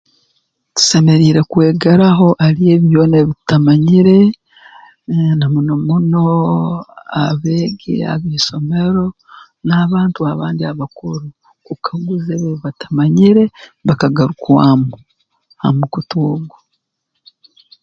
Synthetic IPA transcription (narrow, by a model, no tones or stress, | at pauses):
tu̥se̞me̞ɾiːɾe̞kwe̞ːɡaɾaɦo̞ʔaɾije̞ːβjo̞ːne̞βitamaɲiɾe̞ | namunomuno̞ | aβe̞ːɡḛa̰βiːso̞me̞ɾo̞ | naːβaːntuaβaːndiaβakuɾu | kukʰaɡuzeβeβatḁmaɲiɾe̞βakaɡaɾukwaːmu | ha̰mukutuːɡwa